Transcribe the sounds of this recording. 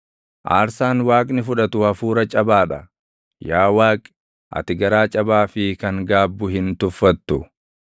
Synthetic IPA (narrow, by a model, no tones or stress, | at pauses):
ʔa̰ːɾsaːnwaːkʼnɪfʊᶑɐt̪ʊhɐfuːɾɐt͡ʃʼɐbaːᶑɐ | jaːwaːkʼ | ʔɐ̰t̪ɪɡɐɾaːt͡ʃʼɐbaːfɪkɐŋɡaːbːʊɦɪnt̪ʊfːɐt̪ːʊ